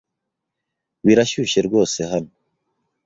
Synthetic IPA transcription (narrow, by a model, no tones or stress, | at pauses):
βiɾaʃuːʃe̞ɾɡo̞ːse̞ɦano